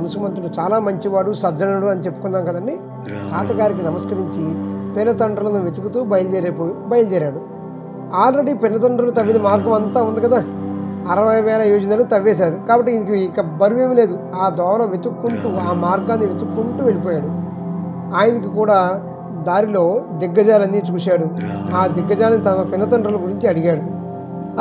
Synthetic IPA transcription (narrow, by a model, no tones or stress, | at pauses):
ɐnusukmɐnt̪ɾunut͡ʃaːlaːmɐɲt͡ʃiʋaːɽusɐd͡ʒɐnɐɽuɐnit͡ʃepːu̥kund̪aːnkɐd̪ɐɳɖi | k̪aːt̪ɐɡaːɾikinɐmɐskɐɾiɲt͡ʃipinːɐt̪ɐɳɖɾɐlɐnuʋe̞t̪ukut̪uːbɐjɐld͡ʒɛːɾepːbɐjɐld͡ʒɛːɾaːɽu | aːlɾeɽiːpinːɐt̪̬ɐɳɖɾɐlɐt̪ɐʋːinimaːɾɡɐmɐnt̪aːund̪ikɐd̪aːɐɾɐʋɐjʋɛːlɐjuːd͡ʒɐnaːɽt̪ɐʋːɛːs̬aːɾukaːbɐʈːiinikikːɐbɐɾuʋe̞ːmile̞ːd̪u | aːd̪ɔːʋɐlɐːʋe̞t̪ukːuɳʈuːaːmaːɾɡaːnːiʋe̞t̪ukːuɳʈuːʋelipɔːjaːɽu | aːjɐnɐk̬ikuːɽaː | d̪aːɾilo̞ːd̪iɡːɐd͡ʒaːlɐnːiːt͡ʃuːsaːɽuaːd̪iɡːɐd͡ʒaːlɐnit̪ɐnɐpɪnːɐt̪ɐɳɖɾɐlɐɡuɾiɲt͡ʃiɐɽiɡaːɽu